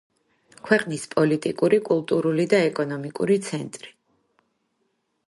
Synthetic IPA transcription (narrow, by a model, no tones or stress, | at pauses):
kʰwɛqʼnispʼɔlit̪ʼikʼuɾikʼulˠt̪ʼuɾulid̪aɛkʼɔnɔmikʼṵɾit̪sʰɛnt̪ʼɾi